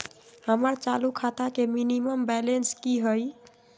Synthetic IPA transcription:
həməɾt͡ʃalukʰat̪akeminiməmbɛlenskiɦəj

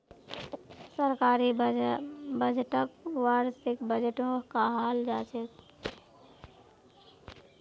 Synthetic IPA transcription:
səɾkaːɾi | bəd͡ʒʱʈəkwaɾsɪkbəd͡ʒeʈokaɦaːld͡ʒat͡ʃek̪

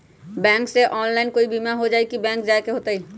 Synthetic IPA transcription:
bɛ̃ŋkseʔɔnlaɪnkoibimaɦod͡ʒaekibɛ̃ŋkd͡ʒaekeɦot̪ai

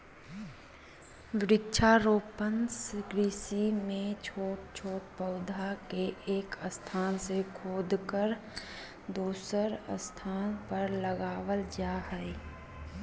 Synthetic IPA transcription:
ʋɪɾɪk̚t͡ʃʰaɾoːpənskɾiːsimẽt͡ʃʰoːʈ̚t͡ʃʰoːʈ̪̚pəʊd̪ʱakeʔːkəst̪ʰaːnsekʰoːd̪kəɾ | d̪uːsəɾə̰st̪ʰaːnpəɾləɡaːʋəld͡ʒaːɦɛe

